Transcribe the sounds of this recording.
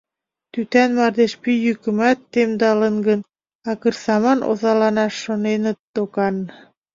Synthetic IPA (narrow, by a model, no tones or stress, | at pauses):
t̪yt̪ænmɑrd̪eʃpyjykə̆mæt̪ːemd̪ɑlənɡən | ɑkərsɑmɑnʔo̰zɑlɑnɑʃːonenə̆t̪ːokɑn